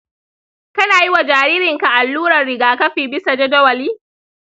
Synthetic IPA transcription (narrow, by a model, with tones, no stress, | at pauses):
kɐ˦naː˨ji˦wa˨d͡ʒaː˨ɾiː˦ɾɪ˨ŋka˨ʔa˨lːuː˦ɾɐ˨rɽɪ˨ɡaː˨kɐ˦ɸiː˨bɪ˦sa˨d͡ʒɐ˦dɐ˦wɐ˨liː˦